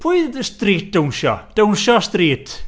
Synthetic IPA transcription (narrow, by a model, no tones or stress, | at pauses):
pʰuːɨðəstriːt̚d̥əwnʃɔ̰d̥ownʃɔstriːtʰ